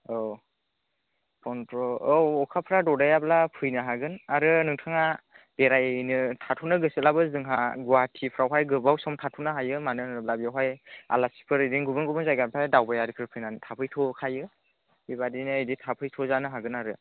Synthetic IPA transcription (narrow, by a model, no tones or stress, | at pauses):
ɔ | pʰɔntɾɔɔwɔkʰapʰɾadɔdajablapʰɯjnaɦaɡɯnaɾɯnɯŋtʰaŋab̥eɾajnɯtʰatʰunɯɡɯsilabɯzɯŋɦaɡuwatʰipʰɾawɦajɡɯbawsɔmtʰatʰunaɦajɯmanɯnɯb̚labijawɦaja̰lasi̥pʰɯɾɯdiŋɡubɯnɡubɯnzajɡanpʰajdawbajaɾɯkʰɯɾɯpʰɯjnantʰapʰɯjtʰɔkʰajɯ | biβadinɯːjditʰapʰɯjtʰɔzanɯɦaɡɯnaɾɯ